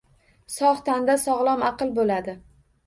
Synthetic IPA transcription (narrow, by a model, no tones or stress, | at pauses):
sɒχt̪ʰand̪asɒʁlˠɒmɑqɨlˠbolad̪ɪ